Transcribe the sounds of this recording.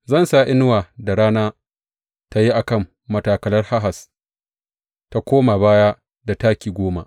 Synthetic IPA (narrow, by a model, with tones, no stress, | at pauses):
zɐ˦˨nsa˦˨ʔɪ˦n˦waː˨da˨ɾaː˦naː˦ | ta˦ji˦ʔa˨kɐ˦˨mːɐ˨taː˨kɐ˨lɐ˦rha˦ɦa˨s | ta˦kʷoː˦ma˨baː˦ja˦ | da˨taː˦kʲiː˨ɡʷoː˦ma̰˦